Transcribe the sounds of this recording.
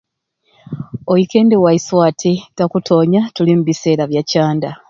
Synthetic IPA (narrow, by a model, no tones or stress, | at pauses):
ojike̞ːndewaiswatʰeɡakutʰo̞ːɲatulimuβise̞ːɾaβjacaːnda